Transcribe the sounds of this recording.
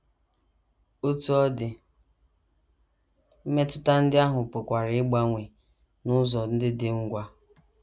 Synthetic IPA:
o˦tu˦ɔ˦dɪ˨ | m̩˦me˦tʊ˦ta˦n̩˦dɪ˦a˦ɦʊ˨pʊ˨kʷa˨ɾɪ˨ɪ˦ɡ͡ba˦ŋʷe˨ | nʊ˦zɔ˨n̩˦dɪ˦dɪ˦ŋ̩˦ɡʷa˦

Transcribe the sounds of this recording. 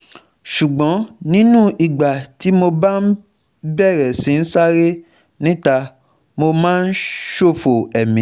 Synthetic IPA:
ʃu˨ɡ͡bɔ̃˨˦nĩ˦nũ˦i˨ɡ͡ba˨ti˨˦mo˧ba˦n̩˦ | bɛ˦˨ɾɛ˨sĩ˨˦n̩˦sa˦ɾe˦ | nĩ˦ta˧ | mo˧mãː˦n̩˦ʃo˦˨fo˨ɛ˨mĩ˨˦

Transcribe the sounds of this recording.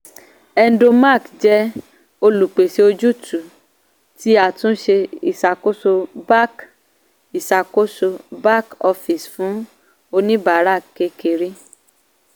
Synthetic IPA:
ɛ˧n̩˦do˧ma˦˨kd͡ʒɛ˦ | o˧lu˨k͡pe˨ʃe˧o˧d͡ʒu˦˨tu˨ | ti˦a˦˨tũ˦ʃe˧i˨sa˨ko˦so˧ba˦k | i˨sa˨ko˦so˧ba˦kɔ˧fi˨sfũ˨˦ | o˧nĩ˦ba˨˦ɾa˦˨ke˧ke˨ɾi˦

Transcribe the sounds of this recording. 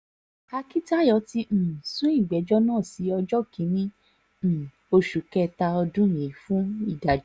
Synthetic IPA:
a˧ki˦ta˦˨jɔ˨˧˦tĩ˧˨sũ˦i˦˨ɡ͡bɛ˨˦d͡ʒɔ˦nãː˦˨si˨˦ɔ˧d͡ʒɔ˦kĩ˨˦nĩ˦˨ | o˧ʃu˨kɛ˦ta˧ɔ˧dũ˦˨je˨˦fũ˦i˦˨da˨d͡ʒ

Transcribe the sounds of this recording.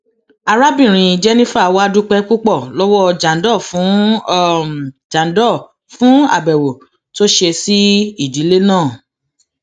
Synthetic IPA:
a˧ɾa˦bĩ˦˨ɾ̃ĩ˨˧˨d͡ʒɛ˦nĩ˦fa˦˨wa˦˧du˦k͡pɛ˦ku˦k͡pɔ˦˨lɔ˦wɔ˦˧d͡ʒa˨n˦dɔ˦˨fũ˨˦˨ | d͡ʒa˨˦n˦dɔ˦˨ | fũ˦a̰˦˨bɛ˨wo˨ | to˦ʃe˧si˦i˦˨di˨˦le˦nãː˦˨

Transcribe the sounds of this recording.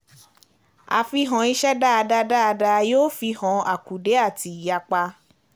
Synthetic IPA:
a̰˨fi˧ɦɔ̃˨˦i˧˦ʃɛ˦da˦a˧da˧˦da˦a˧da˧joː˦fi˧hɔ̃˨˧a˨ku˨de˨˦a˦˨ti˨˦˨ja˧k͡pa˧

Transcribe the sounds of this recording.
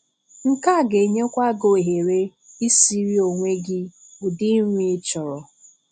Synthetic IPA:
ŋ̩˦ka˦˨ɡe˨ɲe˦kʷa˦ɡo˨e˨ɦe˨ɾe˦ | i˦si˦ɾi˦o˨ŋʷe˦ɡɪ˦ | bʊ˨dɪ˦m˦i˦t͡ʃɔ˨ɾɔ˨

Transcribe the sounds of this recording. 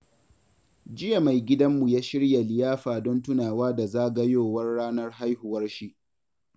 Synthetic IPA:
d͡ʒɪ˦ja˨ma˨jɡʲɪ˦dɐ˦mːu˨jaː˦ʃɪ˦ɽja˨lɪ˨jaː˦ɸaː˨dɔ˦ntʊ˦naː˨waː˦da˨zaː˦ɡɐ˦joː˦˨wɐ˦rɽaː˦nɐ˦rɦa˦jhʊ˨wɐ˦rʃi˦ʔ

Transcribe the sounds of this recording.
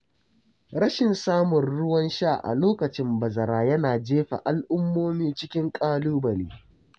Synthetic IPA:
ɽɐ˦ʃɪ˨nsaː˦mʊ˨nɽʊ˦wɐ˦nʃa˦˨ʔa̰˨loː˦kɐ˨t͡ʃɪ˦mbɐ˨zɐ˨ɾaː˨jɐ˦naː˨d͡ʒeː˦ɸa̰˨ʔa˨lʔʊ˦mːoː˦miː˦t͡ʃɪ˦kʲɪ˦ŋkʼaː˦luː˦bɐ˨niː˦

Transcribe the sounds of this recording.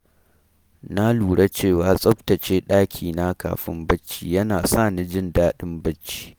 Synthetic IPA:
na˦luː˨ɽa˦t͡ʃeː˦˨waː˨sʼɐ˦ɸtɐ˨t͡ʃeː˦ɗaː˦kʲʰiː˨na˦ka̰ː˨ɸɪ̰˦mbɐ˦t͡ʃːḭː˦jɐ˦naː˨sa˦˨ni˦d͡ʒɪ˦ndaː˦ɗɪ˦mbɐ˦t͡ʃːi̥ː˦

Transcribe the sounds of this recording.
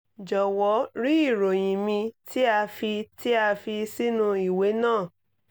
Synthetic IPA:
d͡ʒɔ˨wɔ˨˦ɾi˦i˦˨ɾo˨j̃ĩ˨mĩ˧ti˦a˧fi˧ti˦a˧fi˧si˦nũ˧i˨we˨˦nãː˦˨

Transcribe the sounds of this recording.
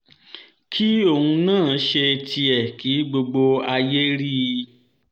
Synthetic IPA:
kʰi˦o˦˨hũ˧nãː˦˨˦ʃe˧tʰi˧ɛ˨ki˨˦ɡ͡bo˧ɡ͡bo˧a˧je˦ɾi˦˨˧

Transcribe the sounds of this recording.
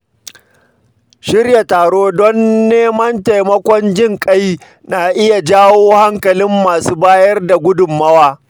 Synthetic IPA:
ʃɪ˦rja˨taː˨ɽoː˦dɔ˦nːeː˦mɐ˦nta˨jmɐ˦kʷɔ˦nd͡ʒɪ˦ŋkʼɐ˦j | na˨ʔɪ˦ja˨d͡ʒaː˦woː˦ha˦ŋkɐ˨lɪ˦mːaː˨suː˦baː˦jɐ˦rda˨ɡʷʊ˦dʊ˨mːɐ˦waː˦

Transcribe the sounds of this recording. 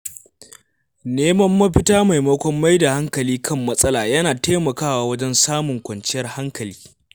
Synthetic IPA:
neː˦mɐ˦mːɐ˦ɸɪ˦taː˦ma˨jmɐ˦kʷɔ˦mːa˦jda˨ha˦ŋkɐ˨liː˦kʰɐ˦˨mːɐ˦sʼɐ˦laː˨jɐ˦naː˨teː˦mɐ˨kaː˦waː˦wɐ˦d͡ʒɛ˦nsaː˦mʊ˨ŋkʷɐ˨nt͡ʃɪ˦jɐ˦rha˦ŋkɐ˨liː˦

